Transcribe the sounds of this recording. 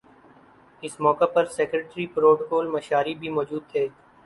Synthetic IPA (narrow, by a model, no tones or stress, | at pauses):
ɪsmɔːkapɐɾseːkɾeːʈɾipɾoːʈkoːlmɐʃaːɾibʱimɔːd͡ʒuːd̪̚t̪ʰeː